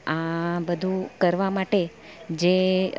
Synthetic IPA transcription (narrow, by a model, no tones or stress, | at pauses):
ãbəd̪ʱũkəɾʋamaʈe | d͡ʒe